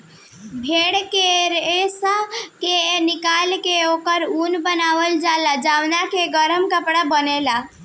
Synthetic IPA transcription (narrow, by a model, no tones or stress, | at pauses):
bʱeɽkeɾesakenikalkeokəɾunbənaʋəld͡ʒalad͡ʒaʋnakeɡəɾəmkəpɽabənela